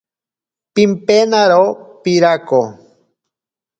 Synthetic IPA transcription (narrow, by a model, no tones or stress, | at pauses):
pimpenaɾopiɾako